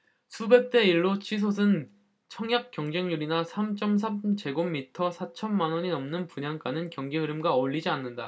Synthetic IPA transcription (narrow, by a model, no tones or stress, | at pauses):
sʰube̞k̚t͈e̞iɭːot͡ɕʰis̬ʰos̬ʰɯn | t͡ɕʰʌŋjap̚k͈jʌŋd͡ʑeŋɲuɾinasʰamt͡ɕ͈ʌms̬ʰamt͡ɕe̞ɡomːitʰʌsʰat͡ɕʰʌnmanwʌɲinʌmnɯnpuɲaŋk͈anɯnkjʌŋɡiɦɯɾɯmɡaʌʎːid͡ʑianːɯnda